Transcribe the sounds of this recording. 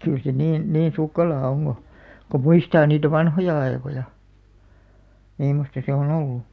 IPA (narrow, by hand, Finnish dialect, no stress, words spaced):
kyl se niːn niːn̞ sukːelɑː oŋ ɡ̊o ko muistɑː niːtæ ʋɑnhojɑ ɑekojɑ mimːostɑ se on olːu